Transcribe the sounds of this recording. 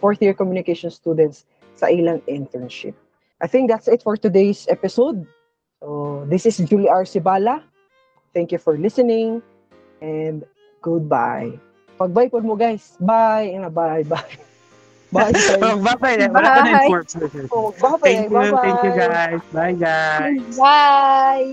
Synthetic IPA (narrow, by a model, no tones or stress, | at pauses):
fɔɹθjiɹkɔmjunɪkejʃɔnst̪uːd̪ɛ̃nt̪sː | ɐ̰ʔɪlaŋɪ̃nt̪ɹɛnʃɪ̰p̚ | ʔajθɪ̃ŋk̚d̪at̪sɪt̪fɔɹt̪ʊd̪ejsʔɛpɪsod̪̚ | sod̪ɪsɪsd͡ʒuliʔaɹsɪbaːlɐ | θɛ̃ŋkjufɔɹlɪsɛnɪ̃ŋ | ʔɛnd̪ | ɡ̥ʊd̪̚ba̰j | pɐɡ̚bajpʊdmoɡajsbajɛnɐbajbaj | bajajbabajaajɔɛɛobabajɡajbabaɛjuɡajsbajɡajbaj